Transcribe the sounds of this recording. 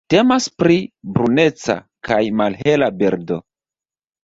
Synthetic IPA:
te̞maspɾibɾune̞t͡sa̰ | kajmalɦe̞labeɾdo̞̰

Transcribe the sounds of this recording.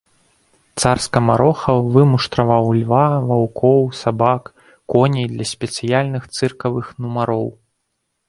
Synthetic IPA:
t̪sarskɐmaɾʔɔxɐvɨmuʂt̪ɾɐvawlʲvavawkɔwsabakː | ɔnʲijd̪lʲɐsʲpʲɛt̪sɨjalʲnɨxt̪sɨrkɐvɨxnumaɾɔw

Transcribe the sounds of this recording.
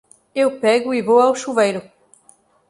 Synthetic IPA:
ewpɛɣʊivowawʃuvejɾʊ

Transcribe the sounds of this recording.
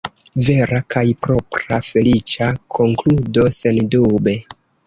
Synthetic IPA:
ve̞ɾakʰajpɾo̞pɾafe̞lit͡ʃakʰo̞ŋkludo̞se̞ndube̞

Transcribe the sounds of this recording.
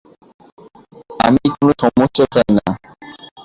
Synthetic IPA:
a̰mikonoʃɔmoʃːat̪ʰajna

